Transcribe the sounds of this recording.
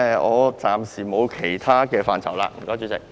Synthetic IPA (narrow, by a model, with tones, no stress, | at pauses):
ɔː˨˧t͡saː˨msi˨˩mo˨˧wkʰe˨˩jt̪ʰaː˥kɛː˧faː˨˧nt͡sʰɐ̰˨˩wla̰ː˧m̩˨˩kɔː˥jt͡ʃyː˧˥t͡sɪ˨k̚